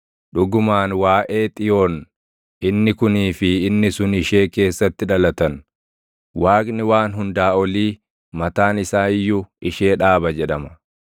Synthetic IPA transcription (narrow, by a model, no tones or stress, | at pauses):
ᶑʊɡʊmaːnwaːʔe̞ːt̪ʼɪjo̞ːn | ʔɪnːɪkʊniːfɪːnːɪsʊnɪʃe̞ːke̞ːsːɐt̪ːɪᶑɐlɐt̪ɐn | waːkʼnɪwaːnɦʊnd̪aːɔliː | mɐt̪aːnɪsaːjːʊɪʃe̞ːᶑaːbɐd͡ʒɛᶑɐmɐ̥